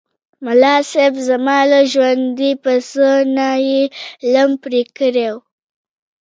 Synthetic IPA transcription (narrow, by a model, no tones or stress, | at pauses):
malɑsefzamɑlaʒwand̪ipəsənajelampɾikəɾew